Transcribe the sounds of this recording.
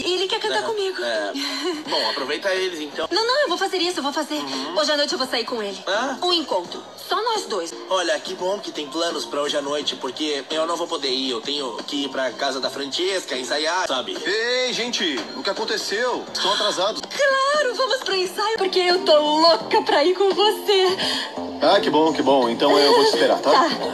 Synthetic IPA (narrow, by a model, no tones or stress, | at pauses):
ɪelɪkɛɾkɐ̃nt̪akõmiɡʊɛbõw̃apɾovejt̪ɐelɪẽt̪ɐ̃w̃nɐ̃w̃nɐ̃w̃ewvowfazeɾisʊewvowfazeɾoʒɪanojt͡ʃɪewvowsaiɾkõelɪaũẽŋkõnt̪ɾʊ | sɔnɔzd̪ojs | ɔʎɐːkibõw̃kɪt̪ẽj̃plɐ̃nʊspɾɐoʒɪanojt͡ʃɪpoɾkeewnɐ̃w̃vowpod̪eiewt̪ẽj̃ʊkɪipɾɐkazɐd̪ɐfɾɐ̃keskɐẽsajasabɪ̰eʒẽt͡ʃɪʊkɪakõnt̪esewɪst̪ɐ̃w̃at̪ɾazad̪ʊsklaɾʊvɐ̃mʊspɾɐẽsajpoɾkeewt̪olokɐpɾɐikõw̃vose | akɪbõw̃kɪbõw̃ẽnt̪ɐ̃w̃ewvoɪspeɾa̰t̪aa